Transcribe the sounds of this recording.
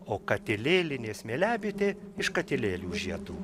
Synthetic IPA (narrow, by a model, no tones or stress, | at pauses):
oːkɐt̪ʲɪlʲeːlʲɪnʲeːsmʲeːlʲæːbʲit̪ʲeː | ɪʃkɐt̪ʲɪlʲeːlʲuːʒʲiɛt̪uː